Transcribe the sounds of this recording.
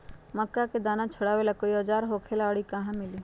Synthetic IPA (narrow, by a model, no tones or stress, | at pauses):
məkːaked̪aːnãt͡ʃʰʊɽaːwelakoiɔd͡ʒaːɾɦoːkʰelaːɽikɐɦãmɪliː